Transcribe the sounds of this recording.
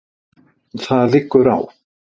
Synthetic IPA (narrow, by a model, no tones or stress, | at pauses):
θaðlɪkːʏɾa̰w